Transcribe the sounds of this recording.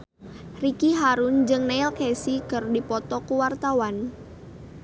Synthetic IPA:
rikiɦaɾund͡ʒɨŋnailkɛsikɨrdipɔt̪ɔkuwart̪awan

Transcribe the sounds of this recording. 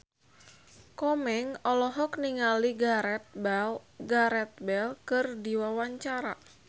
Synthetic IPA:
kɔmɛŋɔlɔɦɔk̚niŋaliɡaɾɛt̪̚aɡaɾɛt̪̚bɛlkɨrdiwawaɲt͡ʃaɾa̰

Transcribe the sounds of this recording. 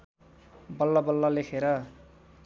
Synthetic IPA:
bʌlːabʌlːʌlekʰeɾʌ

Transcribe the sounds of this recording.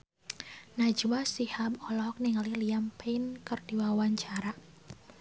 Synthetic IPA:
nad͡ʒuwasihabɔlɔk̚niŋliliampeinkərdiwawaɲt͡ʃaɾa

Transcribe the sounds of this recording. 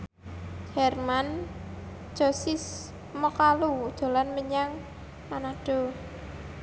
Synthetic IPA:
d͡ʒ̥ɛrman | d͡ʒ̥ɔ̤sɪs | mɔkalu̥d̪̥o̤lanməɲaŋ | manaɖ̥ɔ̤

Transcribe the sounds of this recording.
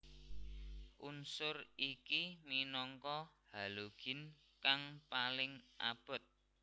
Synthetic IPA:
ʔunsʊrikiminɔŋkɔhaloɡ̥ɪ̤n | kaŋpalɪŋʔa̰b̥ə̤t̪̚

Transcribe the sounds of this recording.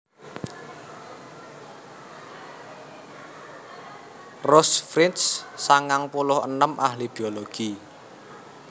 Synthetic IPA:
rɔsfɾinssaŋaŋpulʊhə̰nəmʔahlib̥ioloɡ̥i

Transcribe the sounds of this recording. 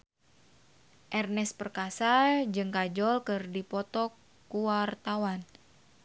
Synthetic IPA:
ʔɛrnɛspərkasad͡ʒɨŋkad͡ʒɔlkɨrdipɔt̪ɔkː | uwart̪awan

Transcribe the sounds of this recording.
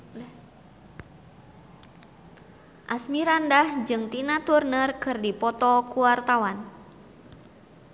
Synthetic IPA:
ʔasmiɾandahd͡ʒɨŋt̪inat̪urnərkɨrdipɔt̪ɔkuwart̪awan

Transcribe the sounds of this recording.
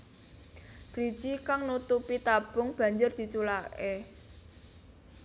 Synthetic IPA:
d̪̥ɾi̥ʒ̥ikaŋnut̪upit̪ab̥ʊ̤ŋb̥a̤ɲd͡ʒʊrd̪̥i̤t͡ʃulaʔe

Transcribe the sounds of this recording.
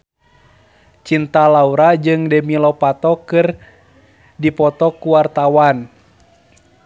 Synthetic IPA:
t͡ʃint̪alauɾad͡ʒɨŋdɛmilɔpat̪ɔkɨr | dipɔt̪ɔkuwart̪awan

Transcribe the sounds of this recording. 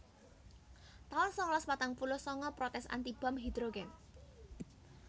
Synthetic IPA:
t̪aɔnsɔŋlɔspat̪aŋpulʊsɔŋɔpɾɔt̪ɛsa̰nt̪ib̥a̤mɦid̪ɾoɡɛm

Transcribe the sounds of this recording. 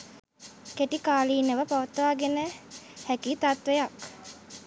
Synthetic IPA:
keʈikaːliːnəʋəpaʋət̪əʋaːɡenəhækit̪at̪ʋejak

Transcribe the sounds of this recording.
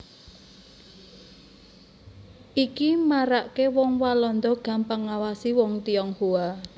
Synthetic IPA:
ʔikimaɾaʔkewɔŋwalɔnd̪ɔɡ̥ä̤mpaŋːawasiwɔŋt̪iɔŋhua

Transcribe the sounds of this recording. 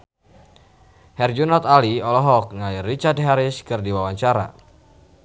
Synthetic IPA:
hɛrd͡ʒunɔt̪aliɔlɔɦɔk̚nairit͡ʃard̚ɦaɾɪskɨrdiwawaɲt͡ʃaɾa̰

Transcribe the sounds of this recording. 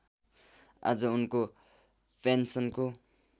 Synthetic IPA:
a̰d͡zʌunko | pʰensʌnko

